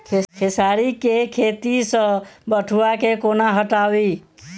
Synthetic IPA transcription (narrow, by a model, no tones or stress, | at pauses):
kʰekʰesaɾikekʰet̪isə̃bəʈʰuakekonaɦəʈawi